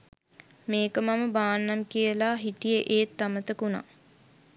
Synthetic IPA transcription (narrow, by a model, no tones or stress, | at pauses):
meːkəmaməbaːnːamkiəlaɦiʈijəʔeːt̪ːamət̪əkuna̰